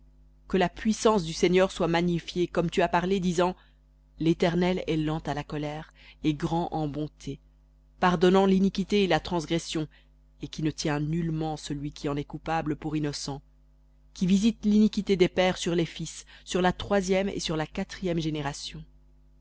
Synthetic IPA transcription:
kəlapɥisɑ̃sd̪yseɲœʁswamaɲifjekɔmt̪yapaʁled̪izɑ̃ | let̪ɛʁnɛlɛlɑ̃t̪alakɔlɛːʁ | eɡʁɑ̃ʔɑ̃bɔ̃t̪ʰe | paʁd̪ɔnɑ̃linikʲit̪eelat̪χɑ̃sɡʁɛsjɔ̃ | ekʲinət̪jɛ̃nylmɑ̃səlɥikʰʲiɑ̃nɛkupabləpuʁinɔsɑ̃ | kʲivizit̪linikʲit̪ed̪epɛːʁsyʁlefisːyʁlat̪χwazjɛmḛsyʁlakat̪χijɛmʒeneʁasjɔ̃

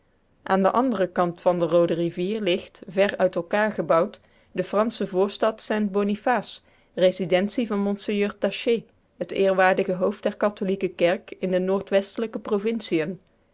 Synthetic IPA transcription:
ʔaːndəʔɑndərəkɑntfɑndərowdəriviːɹlɪxtvɛɹœɥtɛlˠkaːɹχəbɑwt | dəfrɑnsəvʊːɹstɑtsɛnt̚bonifaːs | rezidɛntsivɑnmɔnsejøːɹtaʃe | ɦətɪːɹʋaːɹdəɣəɦowf̚dɛɹkɑtolikəkɛɹkɪndənoːɹtʋɛstələkəprovɪnsiən

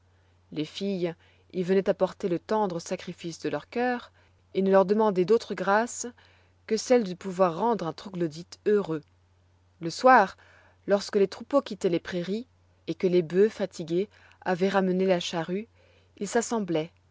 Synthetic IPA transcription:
lefij | ilvənɛt̪apɔʁt̪elət̪ɑ̃d̪ʁəsakχifisd̪əlœʁkʲœːʁ | enəlœʁd̪əmɑ̃d̪ɛd̪ot̪χəɡʁas | kəsɛld̪əpuvwaʁːɑ̃d̪ʁɛ̃t̪χuɡlɔd̪it̪øʁø | ləswaːʁ | lɔʁskəlet̪χupokʲit̪ɛlepχeʁi | ekəlebøfat̪ʰiɡʲe | avɛʁamənelaʃaʁy | ilsasɑ̃blɛ

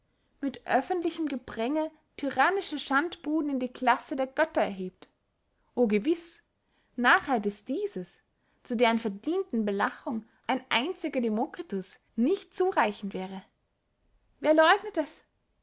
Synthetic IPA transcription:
mɪtʔœfəntlɪçəmɡəb̥ʁ̥ɛŋə | tʰyʁaːnɪʃɐʃantb̥uːdn̩ɪndiːkʰl̥asədeːɐɡœtɐɛɐɦeːp̚t | ʔoːɡəvɪs | naːχhaldɛsd̥iːzəs | t͡sudeːʁənfɛɐdiːntn̩bəlaχʊŋʔaɪnʔa̰ɪnt͡sɪɡɐdemokʁ̥atʊs | nɪçtt͡suːʁaɪçn̩tv̥ɛːʁə | veːɐlɔʏɡnətɛs

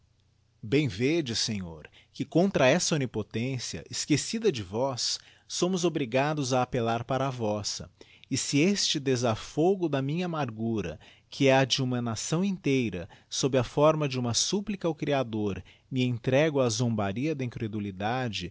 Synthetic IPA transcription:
bẽj̃ved͡ʒɪsẽɲoɾ | kɪkõnt̪ɾɐɛsɐonipot̪ẽsiɐ̰ʔɪskesid̪ɐd͡ʒɪvɔsː | õmʊzobɾiɡad̪ʊzɐːpelaɾpaɾɐavɔsɐ̰ | ɪsɪest͡ʃɪd̪ezafoɡʊd̪ɐmĩɲɐːmaɾɡuɾɐ̰ | kʰɪɛɐd͡ʒɪũmɐnasɐ̃w̃ẽnt̪ejɾɐ̰sobɾɪɐfɔɾmɐd͡ʒɪũmɐsuplikɐawkɾiad̪oɾ | mɪẽnt̪ɾɛɡʊɐzõmbaɾiɐd̪ɐĩkɾed̪ulid̪ad͡ʒɪ

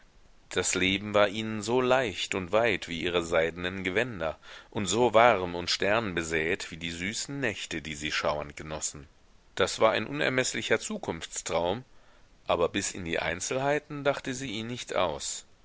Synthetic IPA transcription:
d̥asleːbm̩vaːɐʔiːnənzoːlaɪçtʊntv̥aɪtv̥iːʔiːʁ̞əzaɪdənənɡəvɛndɐʔʊntz̥oːvaʁmʊntʃtɛɐnbəzɛːtv̥iːdiːzyːsn̩nɛçtədiːziːʃaʊɐ̰ntɡ̥ənɔsn̩ | d̥asv̥aːɐʔa̰ɪnʔʊnɛ̰ɐmɛslɪçɐt͡suːkʰʊnft͡stʁ̥aʊm | ʔaːbɐbɪsɪ̰ndiːʔa̰ɪnt͡sl̩ɦaɪtn̩daχtəziːʔiːnɪçtʔa̰ʊs

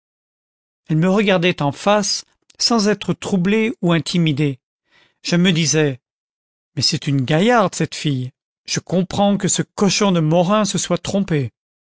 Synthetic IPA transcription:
ɛlməʁəɡaʁd̪ɛt̪ɑ̃fasː | ɑ̃zɛt̪χət̪χubleuɛ̃t̪ʰimid̪e | ʒ̥əməd̪izɛ | mɛsɛt̪ynɡʲajaʁd̪sɛt̪fij | ʒ̥əkɔ̃pχɑ̃kəsəkɔʃɔ̃d̪əmɔʁɛ̃səswat̪χɔ̃pe

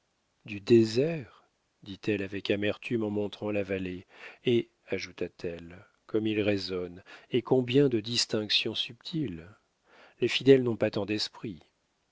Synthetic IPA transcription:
d̪yd̪ezɛʁ | d̪it̪ɛlavɛkamɛʁt̪ymɑ̃mɔ̃t̪χɑ̃lavalee | aʒut̪at̪ʰɛl | kɔmilʁezɔnekɔ̃bjɛ̃d̪əd̪ist̪ɛ̃ksjɔ̃syp̚t̪ʰil | lefid̪ɛlnɔ̃pat̪ɑ̃d̪ɛspχi

